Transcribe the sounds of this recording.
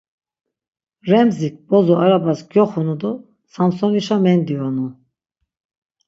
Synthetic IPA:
ɾɛmzik̚bɔzɔaɾabasɡjɔχunud̪ɔ | samsɔniʃamɛnd̪iɔnu

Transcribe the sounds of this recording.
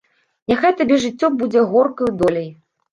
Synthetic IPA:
nʲaxajt̪abʲɛʐɨt͡sʲːɔbud͡zʲɛɣɔrkɐjud̪ɔlʲej

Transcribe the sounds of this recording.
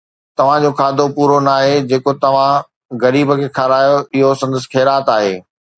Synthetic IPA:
t̪ɐʋ̤ãd͡ʑoːkʰaːd̪ʱopuːɾonaːɦed͡ʑeːkot̪ɐʋ̤ã | ɣɐɾiːbə̆kʰeːkʰaːɾaːjoɪɦosɐ̃nd̪əs̬ɪ̥xʰeːɾaːt̪aːɦeː

